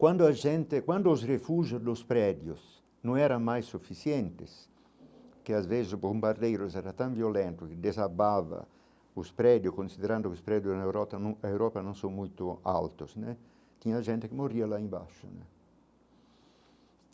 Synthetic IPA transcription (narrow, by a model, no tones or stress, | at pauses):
kwãnd̪ʊaʒɛnt̪ɪkwãnd̪ʊːzrefuʒjʊzd̪ʊspɾɛd̪jʊs | nõŋɛɾãŋmajsːufisjɛnt̪ɪs | kɪazvezɪsobombaɾd̪ejɾʊsɛɾat̪ãŋviolɛnt̪ʊkɪd̪ezabava̰ | ʊspɾɛd̪jʊskonsid̪eɾãnd̪ʊkɪʊspɾɛd̪jʊznaewɾɔt̪anaewɾɔpanõw̃sõŋmujt̪ʊa̰lt̪ʊsnɛ | t̪iɲaʒɛnt̪ɪkɪmorialaẽmba̰ʃʊ̰nɛ̰